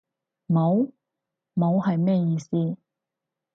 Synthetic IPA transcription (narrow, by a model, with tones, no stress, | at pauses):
mo˨˧w | mo˨˧whɐ˨jmɛː˥jiː˧siː˥˧